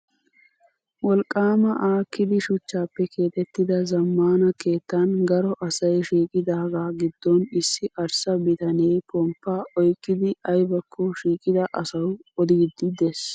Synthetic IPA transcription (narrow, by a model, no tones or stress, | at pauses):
wɔlkʼːaːmɐʔaːkːɪd̪ɪʃʊt͡ʃːaːpːɛkʰe̞ːt̪ʼɛt̪ːɪd̪ɐzɐmːaːnɐke̞ːt̪ːanɡɐɾɔʔɐsɐjʃiːkʼɪd̪aːɡaːɡɪd̪ːɔnɪsːɪʔɐɾsɐbɪt̪ɐnejpʰɔmpːaʔɔjkʼːɪd̪ɪʔɐjbɐkʰːɔʃiːkʼɪd̪ɐʔɐsɐwɔd̪ɪɡd̪ːɪd̪es